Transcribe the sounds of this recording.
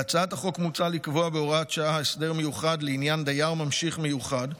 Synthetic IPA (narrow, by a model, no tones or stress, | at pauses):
at͡saat̪aχo̞kmut͡salikvoabeo̞ʁatʃaaesde̞ʁme̞juχad̪leinjand̪ajaʁmamʃiχme̞juχad